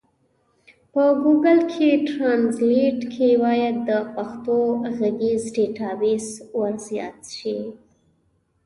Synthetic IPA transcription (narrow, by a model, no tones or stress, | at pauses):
pəɡuɡalkʰeʈɾɑnzliʈkʰewɑjad̪ːəpaxt̪oɣaɡezɖeʈɑbeswaɾzjɑ̰t̪ʃi